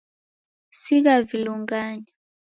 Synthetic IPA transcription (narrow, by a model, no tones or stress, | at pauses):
siɣaviluŋɡaɲa